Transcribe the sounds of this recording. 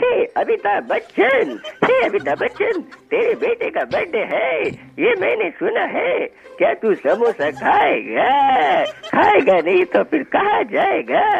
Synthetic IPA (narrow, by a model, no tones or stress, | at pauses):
heɐbʱit̪abɐtːʃʰənheɐbʱit̪abɐtːt͡ʃənt̪eːɾebeːʈekabɐɖeɦɛ | jemɛ̃ːnesʊnaɦɛkjaːt̪usɐmõsɐkʰaːeɡaː | kʰaːeɡanɐɦĩt̪opʰɪɾkɐɦad͡ʒaːeɡaː